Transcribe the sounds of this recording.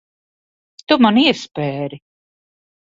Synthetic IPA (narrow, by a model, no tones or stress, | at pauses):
t̪umaniɛspɛːɾi